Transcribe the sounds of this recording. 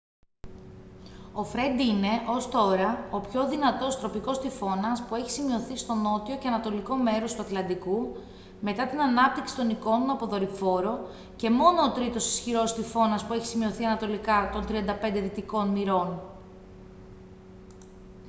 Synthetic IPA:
o̞fɾe̞nd̪ine̞ʔo̞st̪o̞ɾɐo̞pço̞ðinɐt̪o̞st̪ɾo̞piko̞st̪ifo̞nɐspue̞çi̥simio̞θist̪o̞no̞t̪io̞ceɐnɐt̪o̞liko̞me̞ɾo̞st̪uɐt̪lɐnd̪iku | me̞t̪ɐt̪inɐnɐp̚t̪iksi̥t̪o̞niko̞no̞nɐpo̞ðo̞ɾifo̞ɾo̞ | ce̞mo̞no̞ːt̪ɾit̪osi̥sçiɾo̞st̪ifo̞nɐspueçi̥simio̞θiɐnɐt̪o̞likɐt̪o̞nt̪ɾiɐnd̪ɐpe̞nd̪e̞ðit̪iko̞nmiɾo̞n

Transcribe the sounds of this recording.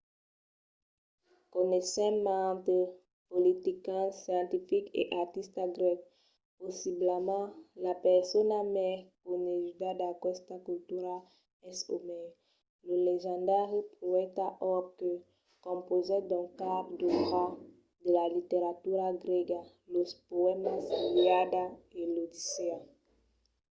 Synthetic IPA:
kɔnɛsɛ̃mãt̪ə | polit̪ikãsjɑ̃t̪ifikḛʔaʁt̪ist̪aɡʁɛk̚ | pɔsiblamãlapɛʁsɔnamɛkoneʒyd̪ad̪akɛst̪akylt̪yʁal | ɛso̰mɛ | ləleʒɑ̃d̪aʁipoɛt̪aʔɔkə | kɔ̃pozɛd̪ɔ̃kapd̪əʁa | d̪əlalit̪eʁat̪yʁaɡʁɛɡa | lospoɛmaseliad̪aelod̪isea

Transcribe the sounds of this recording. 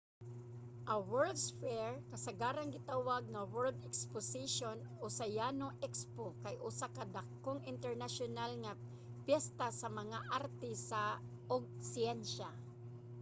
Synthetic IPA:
ʔɐwɛɹd̪sfɛɹkɐsɐɡaːɾaŋɡɪt̪awaɡ̚nɐwɛɹld̪ɛksposiʃonosajanoʔɛkspokajʔʊsakɐd̪akːoŋɪnt̪ɛɹnaʃonalŋa | pjɛst̪asɐmɐŋaʔaɾt̪ɪsa | ʔoɡ̚siɛnʃa

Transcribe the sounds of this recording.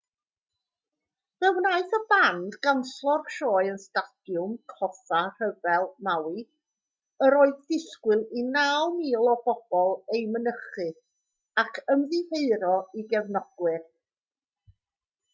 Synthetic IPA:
vɛwnaɨθəbandɡanɬɔrʃɔːɨənstad̥jʊmkʰɔθar̥əvɛlˠmawɨ | əɾoːɨðdɪɬkwɨlˠinawmiːlˠɔbɔb̥ɔlˠejmənəχɨ | akʰəmðɨheɨɾɔiɡɛvnɔɡ̥wɨr

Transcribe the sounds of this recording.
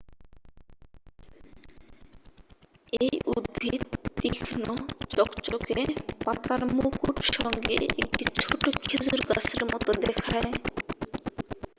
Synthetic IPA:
ejʔud̪̚bbʱit̪ːikʰnot͡ɕɔkt͡ɕokepat̪aɾmukuʈʃɔŋɡḛʔḛk̚ʈit͡ɕʰoʈokʰed͡ʑoɾɡa̰seɾmɔt̪od̪ɛkʰae

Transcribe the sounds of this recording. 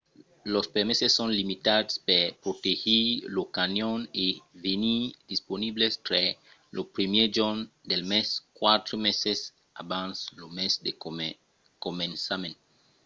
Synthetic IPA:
lospeɾmesesːõnlimit̪adspepɾot̪ehilokanjonevenid̪isponiblest̪ɾe | lʔopɾimjed͡ʒond̪elmeskwat̪ɾomeses | a̰bãnslomesd̪e | komẽnsamẽn

